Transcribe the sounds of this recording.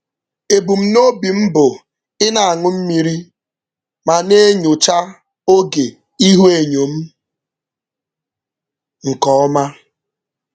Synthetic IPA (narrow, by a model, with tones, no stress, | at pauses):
e˨bu˨m̩˦no˦bi˨m̩˦bʊ˨ | ɪ˦na˨a˨ŋʊ˦m̩˦mi˨ɾi˦ | ma˨ne˦ɲʊ˨t͡ʃa˦ | o˦ɡe˨ | i˦ɦu˦e˨ɲo˨m̩˦ | ŋ̩˨kɔ˨˦ma˦